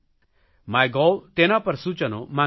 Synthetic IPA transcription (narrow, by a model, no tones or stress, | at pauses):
majɡɔwt̪enapəɾsut͡ʃɔnɔmã